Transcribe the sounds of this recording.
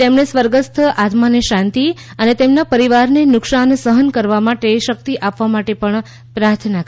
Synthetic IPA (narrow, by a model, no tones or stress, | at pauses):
emɳesʋəɾɡəst̪ʰəʔat̪maneʃãnt̪i | ənet̪emnapəɾiʋaɾnenʊkʃansəɦənkəɾʋamaʈeʃək̚t̪iʔapʋamaʈepəɳ | pɾaɾt̪ʰnak